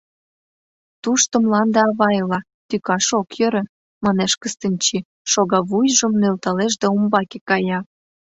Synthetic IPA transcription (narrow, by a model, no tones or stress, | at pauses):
t̪uʃt̪ə̆mlɑnd̪ɑɑβɑjlɑ | t̪ykɑʃokjø̆ɾə̆ | mɑneʃkəst̪ənʲt͡ɕi | ʃoɣɑβujʒə̆mnølt̪ɑleʒd̪æumbɑkekɑjɑ